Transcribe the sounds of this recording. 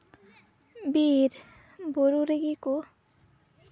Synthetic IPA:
biɾ | boɾuɾeɡiko

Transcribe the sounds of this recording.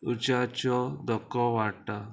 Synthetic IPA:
ut͡ɕat͡ɕɔd̪ɔkːɔʋaɽʈa

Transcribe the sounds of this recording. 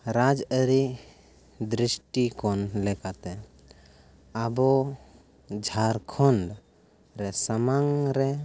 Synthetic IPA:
ɾad͡ʒəɾi | d̪ɾisʈikɔnlɛkat̪ɛ | abo | d͡ʒʱaɾkʰɔɳɖ | ɾɛsəmaŋɾɛ

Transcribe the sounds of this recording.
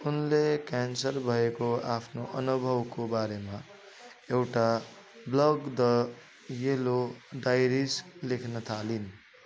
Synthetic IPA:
unlekansʌɾbʱʌekoapʰnoʔʌnubʱʌwkobaɾema | ewʈa | blʌɡd̪ʌ | jeloɖajɾislekʰnʌt̪ʰalin

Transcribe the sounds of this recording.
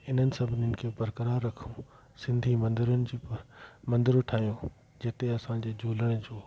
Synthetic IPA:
ɪn̤ənɪ̆sɐbʱɪnənɪ̆kʰeːbɐɾkəɾaːɾːɐkʰũ | sɪ̃nd̪ʱimɐ̃nd̪ɪɾənɪ̆d͡ʑ | mɐ̃nd̪ɪɾoʈʰaːɦijõ | d͡ʑet̪eɐsãd͡ʑeːd͡ʑʱoːləɽ̃d͡ʑoː

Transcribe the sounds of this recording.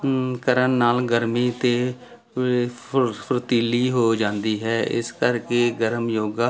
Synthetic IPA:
kəɾənːaːlɡəɾmiːt̪eː | pʰɾət̪iːliːɦoːd͡ʒãːnd̪iːɦɛːɪ̰skəɾkeːɡəɾəmjoːɡaː

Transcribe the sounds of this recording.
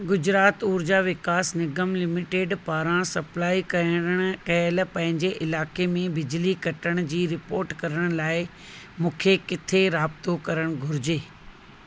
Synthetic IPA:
ɡʊd͡ʑɾaːt̪uːɾd͡ʑaʋɪkaːsnɪɡəmlɪmɪʈeːɖpaːɾãsɐplaːikɐəəɽ̃kɐəl̆pɐ̃ɦɪ̃ɲd͡ʑeʔɪlaːkemẽbɪd͡ʑlikɐʈəɽ̃d͡ʑiːɾɪpoːɾʈkɐɾəɽ̃ʊlaːɪ | mũːkʰekɪt̪ʰeɾaːb̚t̪okɐɾəɽ̃ɡʱʊɾɪd͡ʑeː

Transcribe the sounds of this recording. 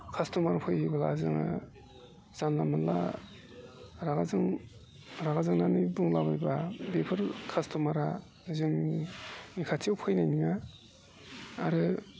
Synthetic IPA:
kʰastʰumaɾpʰɯjhibala̰zɯŋɯ̰ | z̥anlamɯla̰ | ɾaɡazɯŋ | ɾaɡazɯŋnanɯjbuŋlabɯjbabepʰɯɾkʰastʰɔmaɾa | zɯŋ | nikʰatʰiawpʰɯjnajniŋa | ɾɯ

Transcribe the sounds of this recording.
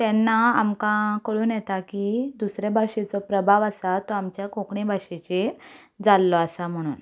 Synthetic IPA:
t̪ɛnːaamkãkəɭuːnjɛt̪akid̪usɾebʱaʂet͡sɔpɾəbʱaʋasat̪ɔamt͡ɕjakokɳibʱaʂet͡ɕe | d͡zalːɔasam̤əɽ̃ṵːn

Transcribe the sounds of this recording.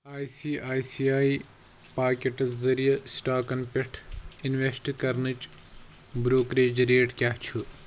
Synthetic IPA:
aːjsiːʔaːjsiːaːi | paːkʲeʈɐzzɐɾijɐsʈaːkɐnpʲeʈʰinʋesʈkɐɾnɨt͡ʃ | bɾoːkɾeːd͡ʒɐɾeːʈkʲaɦt͡ʃʰu

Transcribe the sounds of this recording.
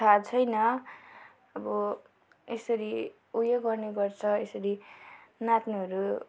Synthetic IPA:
tʰat͡sʰʌjnʌ | ʌbʌ | esʌɾi | ujʌɡʌrneɡʌrt͡sʰʌesʌɾinat̪niɦʌɾu

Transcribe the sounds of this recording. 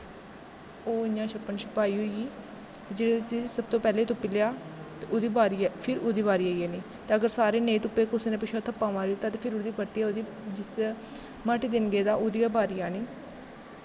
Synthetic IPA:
oːɪãːʃəpːənʃʊpaːiːɦoiːiː | t̪eːd͡ʒeːɽiːt̪ʊsiːsəb̚t̪õːpɛːleːt̪ʊpːiːleaːt̪eoːd̪iːbaːɾipʰɪɾoːd̪iːbaːɾiːaːieːniː | t̪eːəɡəɾsaːɾeːnẽːt̪ʊpːeːkʊsiːnẽpɪʃoːt̪ʰəpːãːmãːɾiːoːt̪ãːt̪eːpʰɪɾoːd̪iːbəɾt̪iaoːd̪iː | d͡ʒɪs | maʈiːd̪ɪnɡeːd̪aːʔoːd̪ijaːbaːɾijaːniː

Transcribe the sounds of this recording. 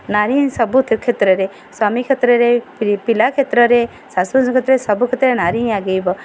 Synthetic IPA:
naɾĩsɔbut̪ʰkʰet̪ɾɔɾe | samikʰet̪ɾɔɾeppilakʰet̪ɾɔɾe | sasuskʰet̪ɾɔɾesɔbukʰet̪ɾəɾenaɾiɦaɡejbɔ

